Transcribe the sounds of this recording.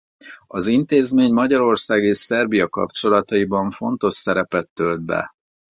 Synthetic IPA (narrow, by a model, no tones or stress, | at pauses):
ɒzint̪eːzmeːɲmɒɟɒɾo̞rsaːɡeːʃsɛrbijɒkɒ̰pt͡ʃo̞lɒt̪ɒibɒɱfo̞nt̪o̞ʃsɛɾɛpɛt̪ːø̞ld̪̚bɛ̰